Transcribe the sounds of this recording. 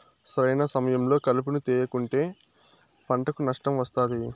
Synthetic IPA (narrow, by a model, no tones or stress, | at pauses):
sɾɐjnɐsɐmɐjɐmlo̞ːkɐlup̬unut̪ɛːjɐkuɳʈe̞ː | pɐɳʈɐkunɐʂʈɐmʋɐst̪aːd̪i